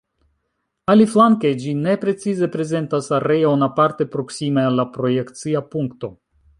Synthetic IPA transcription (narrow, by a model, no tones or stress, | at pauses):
aliflaŋke̞d͡ʒine̞pɾe̞t͡size̞pɾe̞ze̞ntasaɾe̞jonapaɾte̞pɾo̞ksimealːapɾo̞je̞kt͡siapuŋkto̞